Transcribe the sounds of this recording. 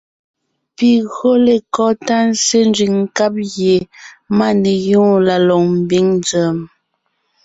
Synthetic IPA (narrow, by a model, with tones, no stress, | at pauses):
pi˨ɣo˦le˨kɔ˦ta˦n˦se˦n˦d͡ʒi˨ŋŋ̩˦ka˦p̚ɣje˨ma˦ne˨jũː˦la˨lɔ˨ŋm̩˨bi˦ŋnd͡zɛ˨m